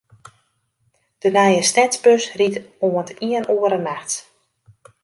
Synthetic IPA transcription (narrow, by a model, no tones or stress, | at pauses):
d̥ənɛjəstɛsbøsritoəntiənʔoəɾənaxt